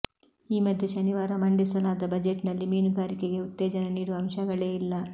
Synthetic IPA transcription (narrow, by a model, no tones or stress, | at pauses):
iːmɐd̪ʱjeʃɐniʋaːɾɐmɐɳɖisɐlaːd̪ɐbɐd͡ʒeʈnɐlːimiːnuɡaːɾikeɡe̞ut̪ːeːd͡ʒɐnɐniːɽuʋɐmʃɐɡɐɭeːilːɐ